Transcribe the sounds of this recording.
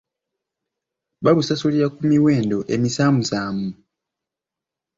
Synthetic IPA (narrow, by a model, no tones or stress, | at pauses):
βaβusasuliɾakumiwe̞ːndo̞ʔe̞misaːmusaːmu